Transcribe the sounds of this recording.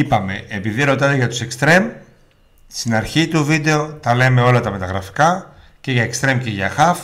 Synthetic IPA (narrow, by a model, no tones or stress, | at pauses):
ipɐme̞ːpiðiɾo̞t̪ɐd̪eʝɐt̪u̥se̞kst̪ɾe̞m | st̪inɐɾçit̪uvid̪e̞o̞t̪ɐle̞me̞o̞lɐt̪ɐme̞t̪ɐɣɾɐfi̥kɐ | ce̞ʝɐekst̪ɾe̞mceʝɐxɐf